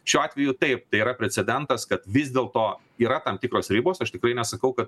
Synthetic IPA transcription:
ʃʲuːɑːt̪ʲʋʲɛjʊt̪ɐɪp̚t̪ɐɪiɾɐpʲɾʲɛt͡ssʲɛd̪ʲɛnt̪ɐskɐt̪ʋʲɪzʲd̪ʲeːlˠt̪oː | iːɾɐt̪ɐmt̪ʲɪːkɾoːsɾʲiːboːsɐʃt̪ʲɪkɾɐɪnʲɛsɐkɐʊkɐt̪

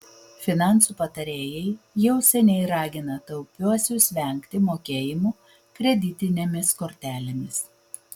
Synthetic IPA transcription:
fʲɪnɑˑnˑsuːpɐt̪ɐɾʲeːjɛɪjɛʊsʲɛnʲɛɪɾɑːɡʲɪnɐt̪ɐʊpʲuɔsʲʊsʲʋʲɛˑŋʲkʲt̪ʲɪmoːkʲeːjɪmuː | kɾʲɛd̪ʲɪt̪ʲɪnʲemʲɪskoːɾʲt̪ʲæːlʲemʲɪs

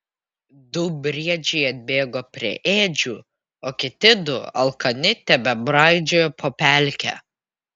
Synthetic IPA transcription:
d̪ʊbʲɾʲiɛd͡ʒʲɛɪɐd̪ʲbʲeːɡoːpʲɾʲiɛʔeːd͡ʒʲuː | oːkʲɪt̪ʲɪd̪ʊ̰ɐ̰lˠkɐnʲɪt̪ʲɛbʲɛbɾɑˑɪd͡ʒʲoːjopʰoːpʲælʲkʲɛ̰ː

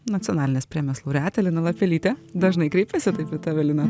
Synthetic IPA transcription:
nɐt̪ʲɪjɔnɑːlʲɪnʲeːspʲɾʲeːmʲɛslˠoʊɾʲæːt̪ʲɛlʲɪnɐlˠɐpʲɛlʲiːt̪ʲɛd̪ɐʒnɐɪkɾʲɛɪpʲɛsʲɪt̪ɐɪpɪt̪ɑːʋʲɛlʲɪnɐ

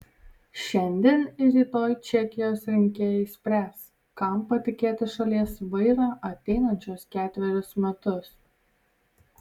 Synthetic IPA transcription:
ʃʲɛnʲd̪ʲiɛnɪɾiːt̪oːjt͡ʃʲɛkʲɪjoːsɾʲɪŋʲkʲeːjɛɪsʲpʲɾʲæːs | kɐˑmpɐt̪ʲɪkʲeːt̪ʲɪʃɐlʲiɛsʋɐɪɾɑːʔɐt̪ʲɛɪnɐnʲt͡ʃʲuɔskʲæːt̪ʲʋʲɛɾʲʊsmʲɛt̪ʊs

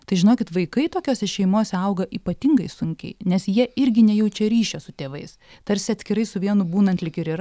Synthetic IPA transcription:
t̪ɐɪʒʲɪnoːkʲɪt̪ʋɐɪkɐɪt̪oːkʲoːsʲɛʃʲɛɪmoːsʲɛɐʊɡɐʔiːpɐt̪ʲɪŋɡɐɪsʊŋʲkʲɛ̰ɪnʲɛsjiɛɪɾʲɡʲɪnʲɛjɛʊt͡ʃʲɛɾʲiːʃʲosʊt̪ʲeːʋɐɪst̪ɐɾʲsʲɪɐt̪sʲkʲɪɾɐɪsʊʋʲiɛnʊbuːnɐnt̪lʲɪkɪɾiːr

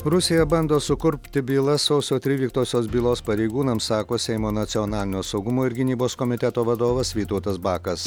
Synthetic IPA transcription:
ɾʊsʲɪjɛbɐnd̪oːsʊkʊɾʲpʲt̪ʲɪbʲiːlˠɐsɐʊsʲoːt̪ʲɾʲiːlʲiːk̚t̪oːsʲoːsbʲiːlˠoːspɐɾʲɛɪɡuːnɐmsɑːkoːsʲɛɪmoːnɐt̪sʲɪɔnɑːlʲɪnʲoːsɒʊɡʊmoːɪɾɡʲɪnʲiːboːskɔmʲɪt̪ʲɛt̪oːʋɐd̪oːʋɐsʋʲiːt̪ɐʊt̪ɐsbɑːkɐs

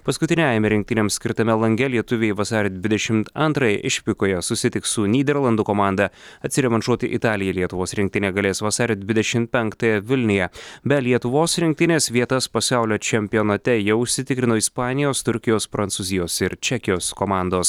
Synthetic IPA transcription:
pɐskʊt̪ʲɪnʲɛɛjmʲɛɾʲɪŋkt̪ʲɪnʲeɛmsʲkʲɪɾt̪ɐmʲɛlˠɐŋʲɡʲɛlʲiɛt̪ʊʋʲeːjʋɐsɑːɾʲed̪ʲʋʲɪd̪ʲɛʃʲɪmt̪ɐnt̪ɾɐjɛ̰ʔɪʃʲpʲɪkoːjɛsʊsʲɪt̪ʲɪkssʊnʲiːd̪ʲɛɾlˠɐnd̪ukoːmɑˑnd̪ɐɐt̪ʲsʲɪɾʲɛmʲɛɐnʃuɔt̪ʲɪʔɪt̪ɑːlʲɪjɛlʲiɛt̪ʊʋoːsɾʲɪŋk̚t̪ɪnʲeːɡɐlʲeːsʋɐsɑːɾʲed̪ʲʋʲɪd̪ʲɛʃʲɪmpʲɛŋkt̪ɐjɛʋʲɪlʲnʲɪjɛbʲɛlʲiɛt̪ʊʋoːsɾʲɪŋk̚t̪ʲɪnʲeːsʋʲiɛt̪ɐspɐsʲæˑʊlʲoːt͡ʃʲɛmʲpʲɪjoːnɐt̪ʲɛjɛʊʃʲsʲɪt̪ʲɪkɾʲɪnoːispɑːnʲɪjoːst̪ʊɾʲkʲɪjoːspɾɐnsuzʲɪjoːsɪɾt͡ʃʲɛkʲɪjoːskomɑˑnd̪oːs

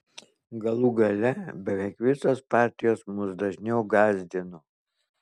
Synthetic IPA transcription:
ɡɐlˠuːɡɐlʲɛbʲɛʋʲɛɪkʋʲɪsoːspɑˑɾʲt̪ʲɪjoːsmʊsd̪ɐʒʲnʲɛʊɡɑːzʲd̪ʲɪnʊ

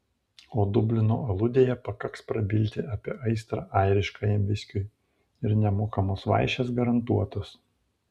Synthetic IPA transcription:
oːd̪ʊbʲlʲɪno̰ːɐlˠʊd̪ʲeːjɛpɐkɐkspɾɐbʲɪlʲt̪ʲɪʔɐpʲiɛʔɐɪst̪ɾɐʔæɪɾʲɪʃkɑːjɛmʋʲɪsʲkʲʊɪ | ɪɾnʲɛmoːkɐmoːsʋɑ̰ɪʃʲɛsɡɐɾɐnt̪uɔt̪os

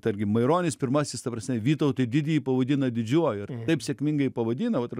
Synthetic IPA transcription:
t̪ɐɾʲɡʲɪmɐɪɾoːnʲɪspʲɪɾmɑsʲɪst̪ɐpɾɐsʲnʲɛʋʲiːt̪oʊt̪ɐdʲɪd̪ʲiipɐʋɐd̪ʲɪnɐd̪ʲɪd͡ʒʲuɔjɪrt̪ɐɪpsʲeːkʲmʲɪŋɡɐɪpɐʋɐd̪ʲiːnɐʋɐt̪r

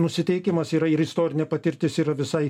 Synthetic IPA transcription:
nʊsʲɪt̪ʲɛɪkʲɪmɐsiːɾɐɪɾɪst̪oːɾʲɪnʲɛpɐt̪ʲɪɾʲt̪ʲɪsiːɾɐʋʲɪsɐɪ

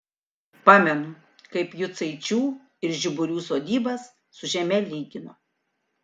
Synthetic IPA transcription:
pɑːmʲɛnʊ | kɐɪpjʊt̪sɐɪt͡ʃʲuː | ɪɾʒʲɪbʊɾʲuːsoːd̪ʲiːbɐsː | ʊʒʲɛmʲɛlʲiːɡʲɪno

